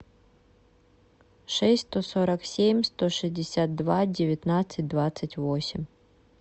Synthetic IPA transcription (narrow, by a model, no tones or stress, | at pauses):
ʂɛsʲt̪osoɾɐksʲemʲst̪oʂɨzʲdʲɪsʲat̪̚d̪vadʲɪvʲɪt̪nat̪sɨt̚ʲd̪vat̪sɨtʲvosʲɪmʲ